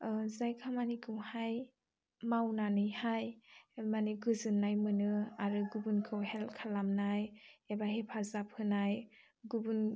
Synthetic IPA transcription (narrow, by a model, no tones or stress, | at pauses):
zajkʰamanikʰɯwhaj | mawnanɯjhajmaniɡɯzɯnːajmɯnɯaɾɯɡubunkʰɯwhɛlkʰalamnajebaɦepʰazap̚hɯnaj | ɡubun